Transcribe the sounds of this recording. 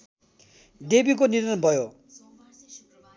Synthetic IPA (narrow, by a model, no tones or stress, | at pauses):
debik̬oniɾʌnbʱʌjo